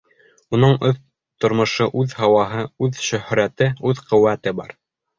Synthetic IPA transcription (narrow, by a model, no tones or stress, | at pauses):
unɤɴɵθ | t̪ŏɾmŏʃɤʔʉðhɑwɑɦɤʉðʃɵ̆hɾæt̪ɘʉðqŏwːæt̪ɘbɑ̰ɾ